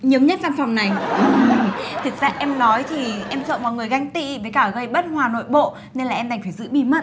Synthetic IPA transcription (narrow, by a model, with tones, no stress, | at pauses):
ɲə˨˦mɲə˦˥t̚sa˧nfa˨˩wŋ͡mna˨˩j | t̪ʰɨ˨˩ək̚zaː˧ʔɛ˧mnɔ˨˦jt̪ʰi˨˩ʔɛ˧msə̰ː˧˨mɔ̰˨ŋɨ˨˩əjɣa˧jŋ̟t̪ḭ˧˨vəː˨˦jkaː˧˩ɣə˧jɓə˦˥t̚hwaː˨˩no̰˧˨jɓo̰˧˨ | ne˧nlaː˨˩ʔɛ˧mɗa˨˩ŋ̟faː˧˩jzɨ̰˧˥ɓi˧mə˧˨